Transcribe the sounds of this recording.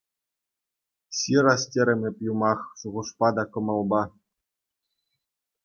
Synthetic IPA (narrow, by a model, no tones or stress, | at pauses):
sʲiɾɑsʲtʲeɾʲɘ̆mʲɘ̆pʲjumɑχʃuʁuʂpɑd̪ɑkɤ̆mɤ̆lˠbɑ